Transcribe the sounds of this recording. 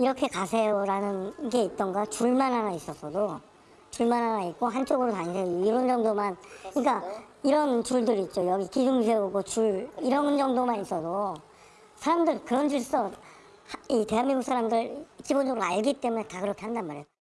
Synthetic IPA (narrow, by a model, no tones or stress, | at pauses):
iɾʌkʰe̞kasʰejʌɾanɯnɡe̞it̚t͈ʌŋɡat͡ɕuɭmanɦanais͈ʌsʰʌdo | t͡ɕuɭmanɦanait̚k͈oɦant͡ɕ͈oɡɯɾotaŋisʰeiɾʌnd͡ʑʌŋdomankɯɲik͈a | iɾʌnt͡ɕuɭdɯɾit̚t͡ɕ͈ojʌɡikid͡ʑuŋsʰeuɡot͡ɕuɭiɾʌnd͡ʑʌŋdomanis͈ʌdo | sʰaɾamdɯɭkɯɾʌnd͡ʑuɭs͈ʌ | hite̞ɦanmiŋɡuksʰaɾamdɯɾkibond͡ʑʌɡɯɾoaɭɡit͈e̞mune̞takɯɾʌkʰe̞handanmaɾe